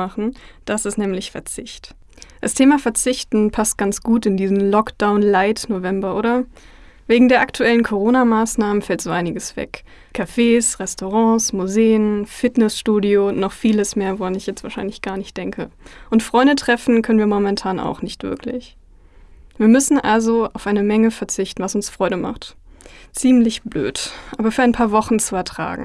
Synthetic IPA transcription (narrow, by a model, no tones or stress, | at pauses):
aχn̩d̥asɪstnɛːmlɪçfɛɐt͡sɪçt | d̥astʰeːmafɛɐt͡sɪçtn̩pʰast̚ɡ̥ant͡sɡ̥uːtɪndiːzən̩lɔkd̥aʊnlaɪtnovɛmbɐʔoːɾɐ | veːɡŋ̩deːɐʔaktʰuɛlənkʰoʁ̞oːnamaːsnaːmənfɛltz̥oːʔaɪnɪɡəsv̥ɛ̰k | kʰafeːsʁɛstoʁ̞ɑ̃ːsmuzeːənfɪtnɛsʃtuːdionɔχfiːləsmeːɐvoʁanɪçjɛt͡stv̥aːɐʃaɪnlɪçɡ̥aːɐnɪçt̚d̥ɛŋkʰə̰ʔʊntfʁ̥ɔʏndətʁ̥ɛfn̩kʰœnənviːɐmɔmɛntʰaːna̰ʊxnɪçtv̥ɪ̰ɐkʰlɪ̰ç | viːɐmʏsn̩ʔalzoaʊfʔaɪnəmɛŋəfɛɐt͡sɪçtn̩vasʊnsfʁ̥ɔʏɾəma̰χt | t͡siːmlɪçb̥lø̰ːtʔaːbɐfyːɐaɪnpʰaːɐvɔχn̩t͡suɛɐtʁ̥a̰ːɡŋ̩